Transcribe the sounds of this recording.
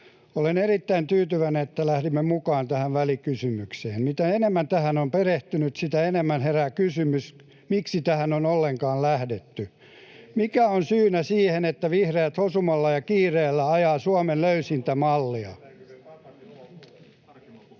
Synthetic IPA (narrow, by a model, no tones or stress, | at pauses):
olenerit̪ːæint̪yːt̪yʋænenet̪ːælæhdimːemukɑːnt̪æhæʋʋælikysymykseːnmit̪æenemːænt̪æhænompereht̪ynyt̪sit̪æenemːænherækysymys | miksit̪æhænonolːeŋkɑːllæhdet̪ːy | mikæonsyːnæsiːhenet̪ːæʋihreːt̪hosumɑlːɑjɑkiːreːlːæɑjɑːsuɑmelløysint̪æmɑlːiɑ̰